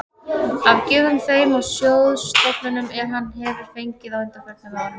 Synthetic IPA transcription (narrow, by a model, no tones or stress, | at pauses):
avcɪːðʏmθeːjmawsjowðst̪ɔpnʏnʏmɛɾ̥ɦanːhɛvɪɾ̥fejɲcɪðawʏnt̪afɛɾana